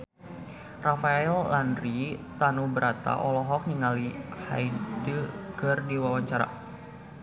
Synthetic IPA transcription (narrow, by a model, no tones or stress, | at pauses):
rafaɛlːanrit̪anubəɾʔat̪a̰ʔɔlɔɦɔk̚niŋaliha̰jdəkɨrdiwawaɲt͡ʃaɾa̰